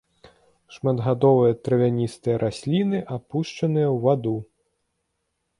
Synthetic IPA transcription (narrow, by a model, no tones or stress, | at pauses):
ʂmɐd̪ɣad̪ɔvɨjɐt̪ɾɐvʲanʲist̪ɨjɐɾʔasʲlʲinɨʔapuʂt͡ʂɐnɨjɐwvad̪u